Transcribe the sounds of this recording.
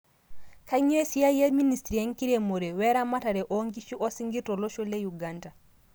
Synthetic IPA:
ka˦ɲ˦e˦si˦ja˦ja˦mi˦ni˨stɾi˨e˦ŋ˦ki˦ɾe˨mo˨ɾe˨wɛ˦ɾa˦ma˦ta˨ɾɛ˨ʔɔŋɡi˦ʃi˦ʔɔ˦si˦ŋɡi˦tɔ˨lɔ˦ʃo˦le˦ju˨ɡanda˨

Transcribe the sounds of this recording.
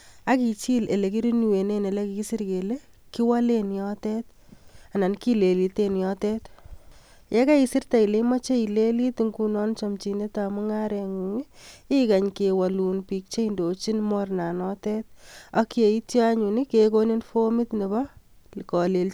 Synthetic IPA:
a˦ki˨t͡ʃi˦le˨le˨k̬i˦ɾin˨we˨ne˦ne˨le˦ki˨kisi˦ɾke˨le˦ | kiwa˦le˦njɔtɛ˦t | a˨na˨nki˦le˨li˨te˦njɔ˦tɛt | jɛ˦ka˦i˨sirta˨i˨le˦mɔ˦t͡ʃe˦i˨le˦li˦tŋku˦nɔ˦nt͡ʃɔ˨mt͡ʃi˨nde˦ta˨mu˦ŋa˦ɾɛ˨ŋu˨ŋiː˦ka˨ɲkewa˨lu˨npi˨k̚t͡ʃe˦indo˨t͡ʃi˦nmɔrna˨nɔ˦tɛ˦t̚a˦ki˦e˨i˦tja˦ɲu˨nike˦ko˦ni˦nfo˦mɪ˦tnɪba˦kɔ˨le˨l

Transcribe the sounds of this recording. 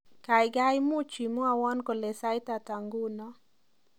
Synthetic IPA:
ka˨jɡa˦jmu˦t͡ʃi˨mwa˨wɔ˦nkɔ˨lɛ˨sa˦jta˨ta˨ŋɡu˦nɔ˦

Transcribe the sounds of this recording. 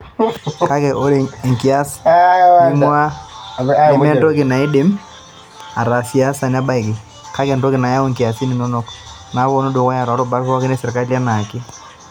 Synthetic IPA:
ka˦kɛ˨ʔo˦ɾe˨ŋki˨a˦sni˦ŋwa˦ | ɛ˨mɛ˦ndɔ˦kɪ˨na˨i˦de˨˦m | a˨ɾa˨si˨a˦sa˨nɛ˦a˦ba˦ɪ˨k̬ɪ˨ | ka˦kɛ˨ndo˦kɪ˨na˨ja˦o˦˨ŋki˨a˨si˦nɪ˨nɔ˦nɔ˦k | na˨˦βɔ˦no˦do˨kwa˦ja˨ɾa˨˦ɾɔ˦˨ba˦lkɔ˦a˦kɪ˦nɛ˦sɛ˨ɾɪ˨ka˦li˦a˦na˨kɪ˦

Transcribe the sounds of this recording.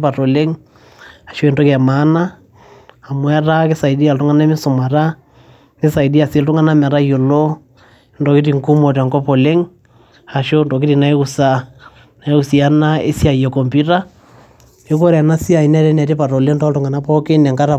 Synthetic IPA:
pa˨tɔ˨le˦ŋ | a˨ʃo˦e˨ndo˦kɛ˨ma˦naː˦˨ | mwɛ˦ɾa˦kɪ˦sa˨i˨di˦a˨ltu˦ŋa˦na˦e˦mɪ˦sʊ˨ma˨ɾa˦ | nɪ˦sa˨i˨di˦a˨si˨˦ltu˦ŋa˦na˦mɛ˨ɾa˦jo˨lo˦ | ndɔ˨ki˦ti˨ŋku˦mo˨t̬ɔ˨ŋkɔ˦pɔ˨le˦ŋ | a˨ʃo˦ndɔ˨k̬i˦ti˨na˨˦e˦ku˨sa | na˨˦u˨sia˦na˦ḛ˦si˦a˨ijɔ˨kɔ˨mpi˦ta˦ | e˦k̬o˦ɾa˨na˦si˦a˨i˨nɛ˦ɾɛ˦n˨a˨te˦pa˨tɔ˨le˦ntːltʊ˨ŋa˨na˦pɔ˦ke˦nɛ˨ŋka˦ɾa˨

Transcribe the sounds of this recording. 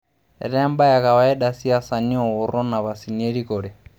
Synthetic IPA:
ɛ˨ɾɛ˦mba˦ja˨ka˨wa˨ɛ˦ɗa˨si˦a˨sa˨ni˦ɔ˨ʊ˨ɾɔ˦na˨βa˨si˨ɲe˦ɺi˦kɔ˨ɺɛ

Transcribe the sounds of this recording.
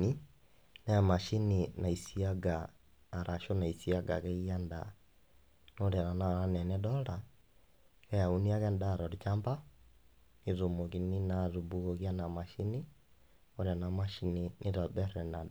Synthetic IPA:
i˦ | nama˨ʃi˦nina˨i˨sia˦ɡaː˨ | ɾʔa˨ʃo˦na˨i˨sia˦ɡa̰˨ɣɛ˦ia˦nda̰˨ | no˦ɾa˨ɾa˨na˦ɾa˦nɛ˨nɛdɔɾa | kɛ˦ja˨u˦ni˦a˦ɣɛ˦ndaɾɔ˨ɾit͡ʃamba˦ | ni˨ɾu˨moɣi˨ni˦naðuβu˦ɣoɣja˦na˨ma˨ʃi˦ni˦ | o˦ɾa˨nama˦ʃi˦ninʔi˦ɾɔ˨bɛ˦ɾɛ˨na

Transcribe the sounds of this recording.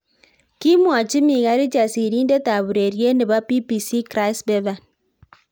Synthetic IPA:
ki˦mu˦a˨t͡ʃi˦mi˨ɣa˨˦ɾi˦d͡ʒa˨si˨ɾi˦n̩˦de˦ta˨bu˨ɾe˨ɾje˦nɨ˨ba˦pi˦pi˨si˦kɾa˦i˦sbe˦va˨n

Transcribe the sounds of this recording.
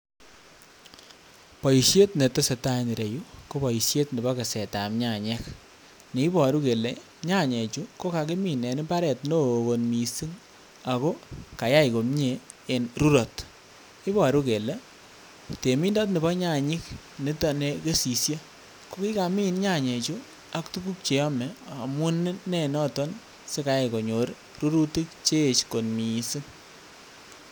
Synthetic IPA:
pɔ˨ji˨ʃje˦tne˨tɔ˦se˨ta˦˨ni˨ɾe˨ju˦ko˦pɔ˨ji˨ʃje˦tni˨bɔ˦ke˨sɛ˨ta˨mɲa˨ɲɛ˦k | ne˨i˦bɔ˨ɾu˦ke˨le˨ | ɲa˦˨ɲɛ˨t͡ʃu˦ko˦ka˨ki˦mi˨nɛ˨nɪ˦pa˦ɾɛ˨tno˦˨ko˨nmi˨si˦ŋ | a˨ko˦ka˨ja˦i˨ko˨mɲeː˨ | nɾu˦ɾo˨t | ɪ˦bɔ˦˨ɾu˦ke˨le˦ | te˨mi˦ndɔ˦t̬nɪ˨bɔ˦ɲa˨ɲɪ˦k | nɪ˦ta˨ne˦ke˦si˨sja˦ | ko˦ki˦ka˨mi˦˨nɲa˦˨ɲɛ˨t͡ʃu˦ | a˦ktu˦ku˦k̚t͡ʃe˨jɔ˦mɛ˨a˨mu˦nɪ˦nɛ˦nɔ˦tɔ˦n | se˦ka˨ja˨ko˨ɲo˨ɾ | ɾu˦ɾu˦ti˦k̚t͡ʃe˦˨t͡ʃko˨nmi˨si˦ŋ

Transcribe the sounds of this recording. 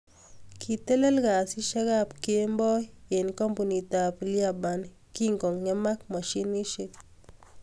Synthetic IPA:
kʰi˨t̪ɛ˦lɛ˦lɡa˨si˦ʃa˦ɣa˦pke˦mbɔ˦je˨nkɔ˦mpu˨ni˨t̪a˨plja˦ba˨n | ki˦ŋɡɔ˨ŋːɛ˦ma˦k̚ma˨ʃi˦ni˦ʃe˦k̚

